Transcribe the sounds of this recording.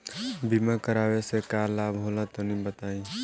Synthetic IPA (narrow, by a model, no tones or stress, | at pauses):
bimakəɾaːwesekaːlaːbʱɦoːlat̪onĩbət̪aːĩ